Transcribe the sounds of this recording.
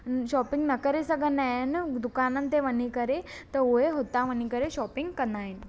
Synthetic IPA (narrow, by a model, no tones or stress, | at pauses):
ʃɔːpɪ̃ŋɡnɐkəɾesɐɡənand̪ʊkaːnə̃nt̪eʋɐnikɐɾet̪ɐoɦeɦot̪aʋɐnikɐɾeʃɔːpɪŋɡkɐnaːin